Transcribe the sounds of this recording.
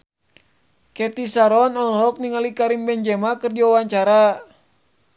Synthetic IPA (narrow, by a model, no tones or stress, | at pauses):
kɛt̪isaɾɔnɔlɦɔk̚niŋalikaɾimbɛɲd͡ʒɛmakɨrd͡ʒiwawaɲt͡ʃaɾa